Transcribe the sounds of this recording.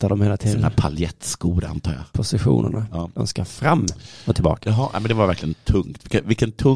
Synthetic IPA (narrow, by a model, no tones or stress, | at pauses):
t̪ʰːaɖɔmheːlat̪ʰiːd̪napʰa̰ljɛt̪ːsɡuːd̪aa̰nt̪ʰɑ̰ːɡja̰pʰʊsɪɧṵːnə̰ɳad̪ɔ̰mskaɾfɾamːɔt̪ʰɪlbɑ̰ːkaɦ̪ɛ̰mɛnd̪ɛvaɾvæɾklɪɡənt̪ʰɵŋt̪vɪk̪ːvɪlkːənt̪ʰɵ